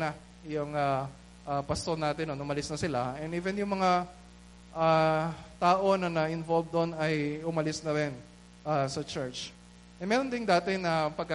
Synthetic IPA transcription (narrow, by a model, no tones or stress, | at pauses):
nɐ | jʊŋa | ʔapɐst̪oɾnaːt̪ɪnonʊmɐlɪsnɐsɪlaɛnʔiːvɛnjʊŋmɐŋa | ʔat̪aːʔo̞nɐnɐʔɪnvolv̚d̪onɐjʊmɐlɪsnɐɾɪn | ʔasɐt͡ʃɛɹt͡ʃ | ʔɛmɛːɾo̞nd̪ɪŋd̪aːt̪ɪnɐpɐɡ̚kɐ